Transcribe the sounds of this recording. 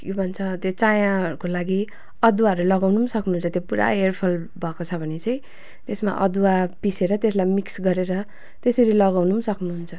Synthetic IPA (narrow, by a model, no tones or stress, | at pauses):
kebʱʌnt͡sʰʌt̪jot͡sajãʌɾukolaɡi | ʌd̪uwaʌɾulʌɡawnusʌknuɦunt͡sʰʌt̪jopuɾa̰erpʰʌlbʱʌkot͡sʰʌbʱʌnet͡sʌj̃ | t̪esma̰ʔʌ̰d̪uwapiseɾʌt̪eslajmiksɡʌɾeɾʌ | t̪esʌɾilʌɡawnusʌknuɦunt͡sʰʌ